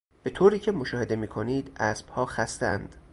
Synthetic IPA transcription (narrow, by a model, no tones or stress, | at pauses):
b̥e̞t̪ʰoːɾiːcʰe̞moʃɒːhe̞d̪emiːkʰoniːd̪æːsb̥hɒːxæst̪eæ̰nd̪̥